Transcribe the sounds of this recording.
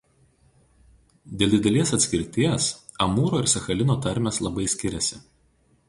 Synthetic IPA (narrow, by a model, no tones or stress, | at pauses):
d̪ʲeːlˠʲd̪ʲɪd̪ʲɛlʲiɛsɐt̪sʲkʲɪɾʲt̪ʲiɛs | ɐmuːɾoːɪɾsʲɛxɐlʲɪnoːt̪ɐɾʲmʲɛslˠɐbɐɪsʲkʲɪɾʲɛsʲɪ